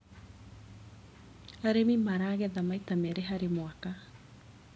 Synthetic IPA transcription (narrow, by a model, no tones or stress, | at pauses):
aɾemimaɾaːɣɛðamaitamɛɾeɦaɾemwaka